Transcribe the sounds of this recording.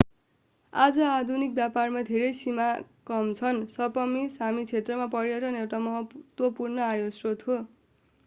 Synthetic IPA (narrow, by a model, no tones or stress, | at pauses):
ad͡zʌad̪ʱunik̚bjaparmad̪ʱeɾʌjsimakʌmt͡sʰʌnsʌpʌmisamit͡sʰet̪rʌmapʌɾjʌʈʌnewʈamʌɦʌt̪wʌpurnʌajosrot̪ʰo